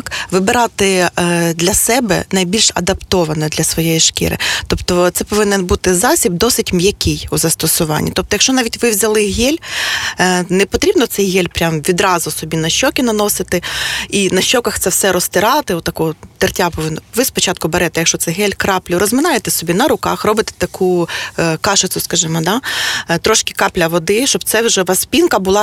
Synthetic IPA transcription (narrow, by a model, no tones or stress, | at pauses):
kʋɪbeɾɑt̪ɪd̪lʲɐsɛbɛ̰nɐjbʲilʲʃɐ̰d̪ɐpt̪ɔʋɐnɔd̪lʲɐsʋɔjejiʃkʲɪ̰ɾɪ̰t̪ɔpt̪ɔt̪sɛpɔʋɪnɪnbut̪ɪzɑsʲib̚d̪ɔsɪtʲmjɐkʲɪjuzɐst̪ɔsʊʋɑ̰nʲːit̪ɔp̚t̪ɔjɐkʃt͡ʃɔnɑʋʲitʲʋɪʋzʲɐlˠɪɦɛlʲ | nɛpɔt̪ɾʲibnɔt̪sɛjɦɛlʲpɾʲamʋʲid̪ɾɑzʊsɔbʲinɐʃʲt͡ʃɔkʲɪnɐnɔsɪt̪ɪinɐʃʲt͡ʃɔkɐxt̪ɛwsɛɾɔst̪ɪɾɑt̪ɪɔt̪t̪ːɐkɔɦɔt̪ɪrtʲapɔʋɪnːɔʋɪspɔt͡ʃɑt̪̚kʊbeɾɛt̪ɛjɐkʃt͡ʃɔt̪sɛɦɛlʲkɾɑplʲʊɾɔzmɪnɑjet̪ɛsɔbʲinɐɾʊkɑxrɔbɪt̪ɛ̥t̪ɐkʰu | kɑʃɪt̪sʊskɐʒɪmɔd̪ɑt̪ɾɔʃkɪ̥kɑplʲɐʋɔd̪ɪʃt͡ʃɔb̚t̪sɛwʒɛʋɐspʲinkɐbʊlˠɑ